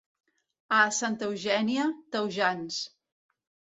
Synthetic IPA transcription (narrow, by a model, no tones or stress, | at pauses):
asant̪əwʒɛniət̪əwʒans